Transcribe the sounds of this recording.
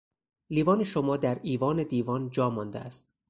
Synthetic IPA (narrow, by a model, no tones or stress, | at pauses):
liːvɒːneʃomɒːd̪æɾiːvɒːne̞d̪iːvɒːnd͡ʒɒːmɒːnd̪ḛæst̪